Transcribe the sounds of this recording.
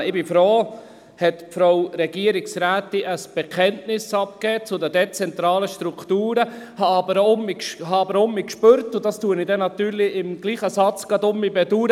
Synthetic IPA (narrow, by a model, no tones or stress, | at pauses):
ɪbɪfɾoː | hɛtfɾawɾɛɡ̥iəɾɪksɾæːtɪʔəsb̥ɛkʰɛntnɪsɑpkɛːt͡sʊdədɛt͡sɛnt̪ɾɑːləʃtɾuktuːɾəhɑɑbəɾʊmikʃhɑɑbəɾʊmikʃpøɾtʊd̥ɑstuːənɪdɛnɑt̪yːɾlɪɪmɡ̥liːχəsɑt͡sɡ̥ɑdʊmibɛduɾ